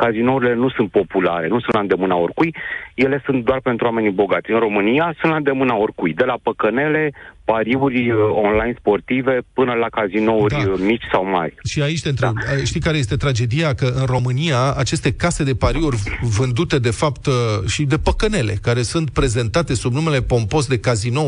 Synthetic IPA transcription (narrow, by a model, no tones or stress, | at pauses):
kazino̞uɾile̞nusunt̪̚po̞pulaɾe̞nusunland̪e̞mɨnaorkujje̞le̞sunt̪̚d̪oarpe̞nt̪ɾuwame̞nibo̞ɡat̪sʲɨnɾo̞mɨniasunt̪land̪e̞mɨnaorkujd̪e̞lapəkəne̞le̞paɾiurʲonlajnspo̞rt̪ive̞pɨnəlakazino̞urd̪mit͡ʃʲsawma̰rʲʃiait͡ʃt̪ent̪ɾebʃt̪ijkaɾejest̪e̞t̪ɾad͡ʒe̞d̪iakəɨnro̞mɨniaat͡ʃe̞st̪e̞kase̞d̪e̞paɾiurʲvɨnd̪ut̪e̞d̪e̞fapt̪ʃid̪e̞pəkəne̞le̞̰kaɾe̞sunt̪̚pɾe̞ze̞nt̪at̪e̞subnume̞le̞po̞mpo̞s̬d̪e̞kazino̞